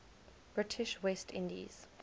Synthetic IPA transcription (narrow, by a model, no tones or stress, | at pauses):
b̥ɹɪtʰɪʃwɛstʰɪ̰̃ndḭz̥